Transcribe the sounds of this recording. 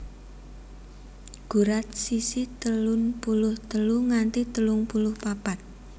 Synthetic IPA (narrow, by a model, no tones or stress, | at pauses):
ɡ̥ṳɾat̪̚sisit̪əlʊnpulʊht̪əluŋant̪it̪əlʊŋpulʊhpapat̪̚